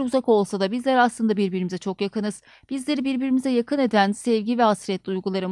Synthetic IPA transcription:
ɾuzako̞lˠsad̪abizlʲæɾaslˠɯnd̪abiɾbiɾimizɛt͡ʃʰo̞kjakɯnɯz̥ | b̥izlʲe̞ɾibiɾbiɾimizɛjakʰɯne̞d̪ænsɛvɟivɛhasɾɛt̪lʲiujɡulˠaɾɯ

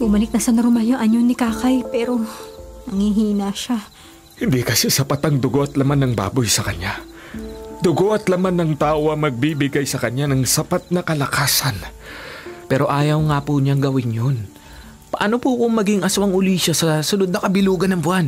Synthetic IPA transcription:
bʊmɐlɪk̚nɐsɐnɐɾomajoʔɐɲonɪkaːkɐjpɛːɾo̞nɐŋhiɦiːnaʃa | hɪnd̪ikɐsɛsɐpat̪ɐŋd̪ʊɡo̞ʔɐt̪lɐmanːɐŋba̰ːbojsɐkɐɲa | d̪ʊɡo̞ʔɐt̪lɐmanːɐŋt̪aːʔoʔɐŋmɐɡ̚bibɪɡajsɐkɐɲanɐŋsɐpat̪̚nɐkɐlɐkaːsɐn | pɛːɾo̞ʔaːjɐwŋapuɲaŋɡɐwɪnjon | pɐʔɐnopukoŋmɐɡiŋʔɐswɐŋʊliːʃɐsɐsʊlod̪̚nɐkɐbɪluːɡɐnɐŋbwan

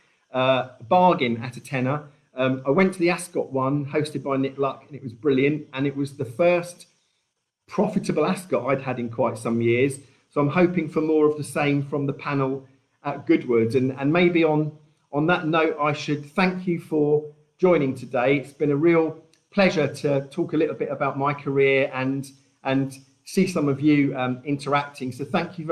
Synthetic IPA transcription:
ʌbɑːɡɪ̃nə̰tətʰɛnə | ʌ̃maɪwɛ̃ntʰəðiaskɒʔwʌ̃nhəʊstɨd̚baɪnɪklʌkə̃nɪʔwɒzbɹɪljə̃ntə̃nɪʔwɒzðəfɜˑst | pʰɹ̥ɒfɪtəbəlˠaskɒtaɪd̥̚ədɪ̃nkʰw̥aɪtsʌ̃mjɪəz̥ | soʊãɪ̃mɦəʊpɪ̃ŋfəmɔːɹəvðəsẽɪ̃ɱfɹə̃mðəpʰanl̩ˠ | əʔ̚ɡ̥ʊd̚wʊdə̃nə̃nmeɪbiə̃n | ʔə̃nðəʔⁿnəʊtaɪʃəd̪̥̚θæ̃ŋkʰjɨfə̥ | d͡ʒɔ̃ɪ̃ñɪ̃ŋtʰədeɪɪtsb̥ɨ̃nəɹiːlˠ | pʰl̥ɛʒətʰətʰɔˑkəlɪʔl̩ˠbɪtəbaʊʔmaɪkʰəɹɪəɹə̃n | ʔə̃n | siːsʌ̃məvjʉʌ̃mɪ̃ntʰəɹak̚tʰɪ̃ŋsəʊθæ̃ŋkʰjɨ

